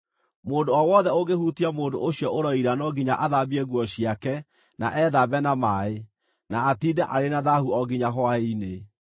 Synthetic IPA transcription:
moːndoɔwɔðɛoɣehutiamoːdo̰oɕjɔʔoɾɔiɾanɔɡiɲaʔaðabiɛɣwɔɕiakɛ | na̰ʔɛðabɛnamae | naatidɛʔaɾenaðahuɔɡiɲaɦwaeine

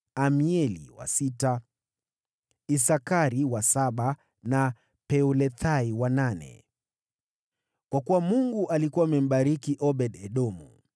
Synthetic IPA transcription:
amiɛlḭwa̰sita | isakaɾiwasaɓa | na | pɛulɛθʰaiwananɛ̰ | kwakuwamuŋɡuʔalikuwamɛm̩ɓaɾikiʔɔɓɛɗɛɗɔmṵ

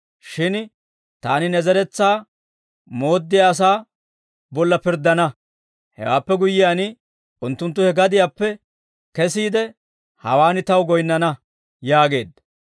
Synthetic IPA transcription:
ʃɪn | t̪aːnɪnɛzɛɾɛt͡sːaː | mo̞ːd̪ːɪjaːs̬aː | bɔlːɐpɪɾd̪ɐnɐ | hɛ̰wa̰ːpːɛɡʊjːɪjaːnɪ | ʔʊnt̪ːʊnt̪ːʊhɛɡɐd̪ɪjaːpːɛ | kɛsiːd̪ɛ | hɐwaːnɪt̪ɐwɡɔjnːɐnɐ | jaːɡe̞ːd̪ɐ

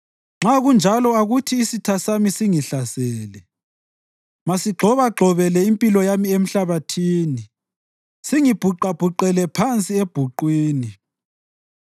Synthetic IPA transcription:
ŋ͡ǁaɣund͡ʒʱalɔaɣutʰiːsitʰasamisiŋiɬasɛːlɛ | masiɡ͡ǃʱɔβaɡ͡ǃʱɔβɛlɛimpʼilɔjamiem̩ɬaβatʰiːni | siŋib̥ʱuǃab̥ʱuǃɛlɛpʰant͡sʼieb̥ʱuǃwiːni

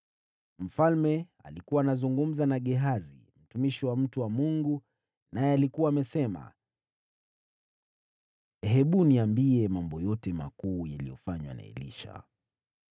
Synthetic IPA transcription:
m̩falmɛ | a̰likuwaːnazuŋɡum̩zanaɠɛɦazḭ | m̩tumiʃiwam̩tuwamuŋɡu | najɛalikuwaːmɛsɛma̰ | ɦɛɓuniambiɛmambɔjɔtɛma̰kuːjalijɔfaɲwa̰na̰ɛ̰lḭʃa̰

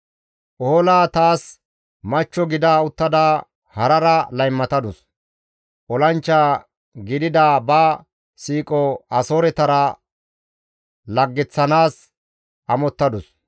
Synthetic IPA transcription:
ʔɔlaːt̪aːs | mɐt͡ʃːɔɡɪd̪aːʊt̪ːɐd̪aː | hɐɾɐɾɐlɐjmːɐt̪ɐd̪ʊs | ʔɔlɐnt͡ʃːaː | ɡɪd̪ɪd̪aːbaː | siːkʼɔɐsoːɾɛt̪ɐɾɐ | lɐɡːɛt͡sːɐnaːs | ʔɐmɔt̪ːɐd̪ʊs

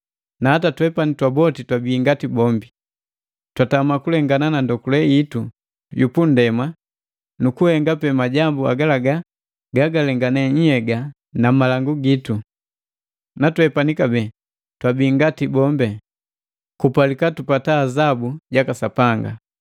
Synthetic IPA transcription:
nahatatwɛpanitwabɔtitwabiːŋɡatibɔmbi | twatamakulɛŋɡananandɔkulɛitu | jupun̩dɛma | nukuhɛŋɡapɛmaɟambua̰ɡalaɡa | ɡaɡalɛŋɡanɛɲ̩hɛɡa | namalaŋɡuɡitu | natwɛpanikabɛ | twabiːŋɡatibɔmbɛ | kupalikatupataːzabuɟakasapaŋɡa̰

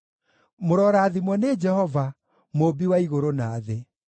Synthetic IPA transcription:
moɾɔɾaːðimwɔned͡ʒɛhɔva | mobiwaiɣoɾonaːðe

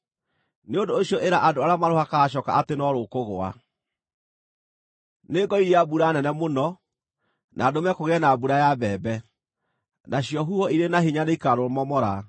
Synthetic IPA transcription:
neondoːɕjɔʔeɾaʔadoaɾeamaɾohakaɕ̬ɔka̰ʔatenɔɾokoɣoa̰ | neɡɔiɾiabuɾanɛnɛmonɔ | nʔaːdomɛkoɣɛnabuɾajabɛːbɛ | naɕijɔɦuhɔiɾenaɦiɲaneikaɾomɔmɔɾa

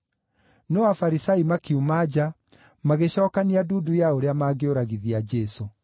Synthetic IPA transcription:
nɔafaɾisaimakiumad͡ʑa | maɣeɕɔːkaniaduːdujaoɾeamaːɡeoɾaɣiðiad͡ʑɛso

